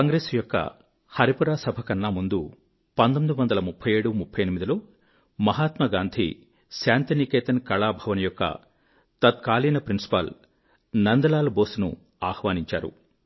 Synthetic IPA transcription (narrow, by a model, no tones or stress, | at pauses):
kɐŋɡɾeːsjɔkːɐ̰ | hɐɾipuɾaːsɐbʱɐkɐnːaːmund̪u | pɐnd̪omid̪uʋɐnd̪ɐlɐmupʰːɐje̞ːɽumupʰːɐjenimid̪iloː | mɐɦaːt̪mɐɡaːnd̪ʱḭ | saːnt̪ɐnikeːt̪ɐnkɐɭaːbʱɐʋɐnɐjɔkːɐ̰ | t̪ɐt̪̚kaːliːnɐpɾinsi̥pɐ̰l | nɐnd̪ɐlaːlɐboːsnṵ | aːhʋaːniɲt͡ʃa̰ːɾṵ